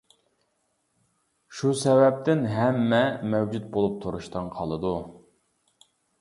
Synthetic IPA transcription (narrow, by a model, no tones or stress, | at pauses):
ʃusɛvɛp̚t̪ɪnɦɛmːɛmɛwd͡ʒut̪̚bolˠup̚t̪ʰuɾuʃt̪ɨnqʰɑlˠɨd̪u